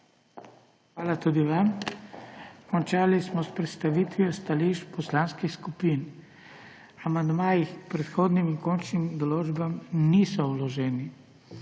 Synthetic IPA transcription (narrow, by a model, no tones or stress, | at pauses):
xʋaːlat̪uːd̪iʋam | kɔnt͡ʃaːlismɔspɾɛt̪st̪aʋiːt̪ʋiɔst̪aliʃtpɔslaːnskixskupiːn | amand̪maːjixpɾɛt̪xoːd̪nimiŋkoːnt͡ʃnimd̪ɔloːd͡ʒbamnisɔulɔʒɛːni